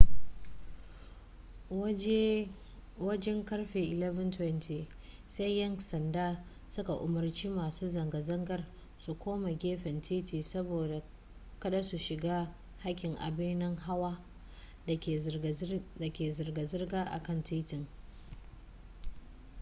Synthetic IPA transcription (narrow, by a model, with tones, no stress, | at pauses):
wɐ˦d͡ʒɛ˦ŋkɐ˦rɸeː˨ʔɪ˨lɛ˦vɐ˦ntwɛ˦ntʰi˨ | se˦jjɐ˦ŋsɐ˨ndaː˦ | sʊ˦ka˨ʔʊ˨mɐ˨rt͡ʃiː˦maː˨suː˦zɐ˨ŋɡa˨zɐ˦ŋɡɐ˨r | su˨kʷoː˦ma˨ɡʲeː˦ɸɛ˨ntʰiː˦tʰiː˨sɐ˦boː˨da˨ | kɐ˦ɗa˦su˨ʃɪ˨ɡaː˦ | ha˦kʲɪ˨ŋʔa̰˨bɪ˦nɪ˦ŋɦa˦waː˦˨ | da˨kʲeː˨zɪ˨rɡa˨zɪ˦rɡaː˦ʔa̰˨kɐ˦˨ntʰiː˦tɪ˨ŋ